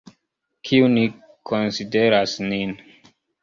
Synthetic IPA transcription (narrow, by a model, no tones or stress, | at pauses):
kʰiuni | kʰonside̞ɾasnin